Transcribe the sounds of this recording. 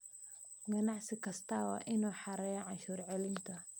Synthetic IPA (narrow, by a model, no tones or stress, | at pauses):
ɡɐnɑʕsɪkʰɐst̪ʰɐwɑ̰ːʔɪnuːħɑɾɛjɔʕɑnʃuːrʕɛlɪnt̪ʰɐ